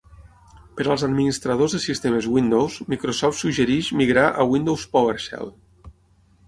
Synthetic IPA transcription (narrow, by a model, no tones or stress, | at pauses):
pəɾaəlˠzad̪minist̪ɾað̞ozðesist̪emezwind̪owzmikɾosɔft̪suɡʒeɾiʃmiɣɾaʔəwind̪owspoweɾʃɛ̰lˠ